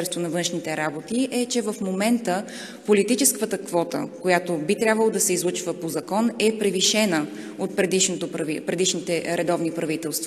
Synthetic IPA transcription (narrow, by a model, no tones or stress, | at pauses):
ɾɛst̪vonɐvɤnʃnit̪ɛɾabot̪iʔɛt͡ʃɛvɐfmomɛnt̪ə | polit̪it͡ʃɛskət̪əkvɔt̪ə̰kojat̪obit̪ɾʲjabvəlˠod̪ɐsɛizlˠut͡ʃvəpozɐkɔnɛpɾɛviʃɛnə | ot̪̚pɾɛd̪iʃnot̪opɾvipɾɛd̪iʃnit̪ɛɾɛd̪ɔvnipɾɐvit̪ɛlˠst̪v